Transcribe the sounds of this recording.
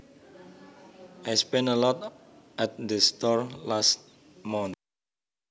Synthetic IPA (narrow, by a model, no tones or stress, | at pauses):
ʔajspɛ̃nəlɔt | ʔɛt̚dəst̪ɔɹlast̚ | mɔ̃nt̪̚